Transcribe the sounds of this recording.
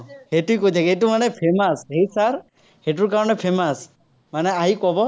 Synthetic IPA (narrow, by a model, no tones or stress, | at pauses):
heʈuikud̪ʱekeʈumanepʰemasɦejsaɾ | heʈuɾkaɾɔɳepʰemas | maneaɦikɔbɔ